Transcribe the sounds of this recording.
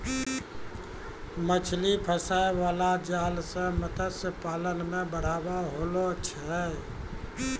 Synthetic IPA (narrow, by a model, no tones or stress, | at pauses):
mət͡ʃʰlipʰəsaeʋalad͡ʒalsə̃mət̪əsəpalənmẽbəɽ̤abaɦolot͡ʃʰɛ